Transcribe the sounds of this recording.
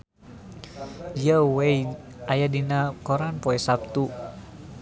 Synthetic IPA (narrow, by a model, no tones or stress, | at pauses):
d͡ʒiawej | ʔajadinakɔɾanpɔɛsap̚t̪u